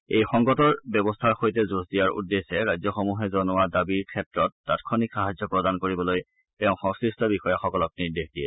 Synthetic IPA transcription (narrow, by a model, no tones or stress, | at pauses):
ejxɔŋɡɔtɔɹbjɔbɔstʰaɹxojtɛzusdijaɹṵdːesɛɹajzjɔxomuɦɛzɔnʊadabiɹkʰɛtɹɔt̚ːatkʰɔnikxaɦazjɔpɹɔdankoɹibɔloj | tɛʊ̃xɔ̃ŋsɹistɔbixɔjaxɔkɔlɔk̚niɹdexdijɛ